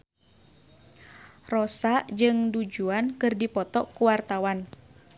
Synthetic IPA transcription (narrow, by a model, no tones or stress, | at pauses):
rɔsaʔd͡ʒɨŋdud͡ʒuankɨrdipɔt̪ɔkuwart̪awan